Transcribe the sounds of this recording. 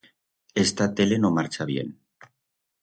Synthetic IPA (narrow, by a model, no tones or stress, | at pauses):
est̪at̪ele̞nomaɾt͡ʃaβ̞jḛn